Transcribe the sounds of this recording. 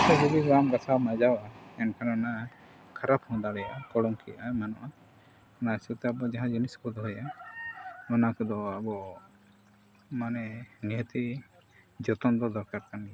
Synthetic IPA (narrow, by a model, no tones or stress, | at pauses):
t̪ad͡ʒɔd̪iɡamɡasawmad͡ʒawaɛnkʰaɾana | kʰaɾaphɔ̃d̪aɽɛja̰kɔɽɔŋkʰijaʔamanɔ̰ʔa | nasit̪ɛabɔd͡ʒaɦãd͡ʒiniskɔd̪ɔɦuja | ɔnakɔd̪ɔabɔ | manɛniɦət̪i | d͡ʒɔt̪ɔnd̪ɔd̪ɔɾkaɾkanija